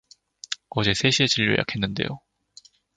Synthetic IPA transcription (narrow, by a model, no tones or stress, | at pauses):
ʌd͡ʑe̞sʰe̞ɕʰiet͡ɕiʎːo̰jʔa̰kʰe̞nːɯnde̞̰jo